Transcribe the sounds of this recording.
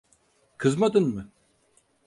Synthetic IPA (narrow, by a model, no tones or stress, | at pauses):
kʰɨzmɐd̪ɨnmɨ